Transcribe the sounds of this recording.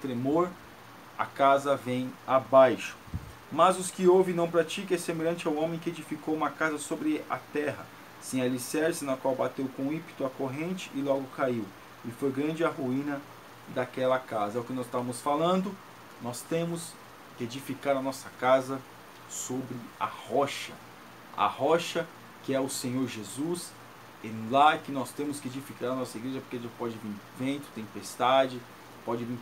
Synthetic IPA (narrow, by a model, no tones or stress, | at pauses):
t̪ɾemoɾ | ɐ̰kazɐvẽj̃abajʃʊ̥ | mɐzʊskɪowvɪ̃nɐ̃w̃pɾat͡ʃikẽjsemeʎɐ̃nt͡ʃɪawõmẽj̃kɪed͡ʒifikowũmɐkazɐsobɾɪa̰t̪ɛɦɐ̰ | sẽj̃ɐlisɛɾsɪnɐkwawbat̪ewkõĩpi̥t̪ʊɐkoɦẽnt͡ʃɪʔɪlɔɡʊkaiw | ɪfojɡɾɐ̃nd͡ʒɪɐhuĩnɐ | d̪akɛlɐkazɐɛʊkɪnɔzɪst̪avɐmʊsfalɐ̃nd̪ʊ | nɔst̪ẽmʊs | kɪed͡ʒifikaɾɐnɔsɐkazɐ | sobɾɪa̰hɔʃɐ | ɐ̰hɔʃɐ | kɪɛʊsẽɲoɾʒezus | lakɪnɔst̪ẽmʊskɪed͡ʒifikaɾɐnɔsɐiɡɾeʒɐpoɾkeɐpɔd͡ʒɪvĩvẽnt̪ʊ̥t̪ẽpest̪ad͡ʒɪ | pɔd͡ʒɪvĩ